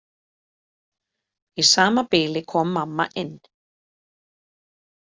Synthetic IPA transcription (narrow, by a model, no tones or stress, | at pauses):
isaːmapɪːlɪkʰɔːmːamːa̰ʔɪn